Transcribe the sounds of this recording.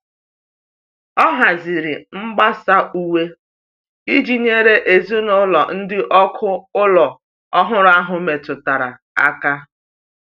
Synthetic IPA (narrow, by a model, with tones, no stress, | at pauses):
ɔ˦ɦa˨zi˨ɾɪ˨ŋ͡m̩˦ɡ͡ba˦sa˦u˦we˦ | i˦d͡ʒi˦ɲe˦ɾe˦ʔe˨znʊ˦lɔ˨n̩˦dɪ˦ʔɔ˦kʰʊ˦ʊ˦lɔ˨ | ɔ˦ɦʊ˦ɾʊ˦a˦ɦʊ˨me˨tʊ˨ta˨ɾa˨ | a̰˦ka˦